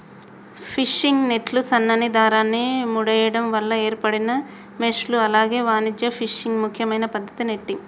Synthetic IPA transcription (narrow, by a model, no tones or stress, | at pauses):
pʰiʂːiŋɡneʈlusɐnːɐnid̪aːɾaːnːimuɽɐjɐɽɐmʋɐlːɐe̞ːɾpɐɽinɐ | mesluɐlaːɡe̞ːʋaːnid͡ʒ̪jɐpʰiʂːiŋɡmukʰjɐmɐjnɐpɐd̪ʱːɐt̪ineʈːiŋ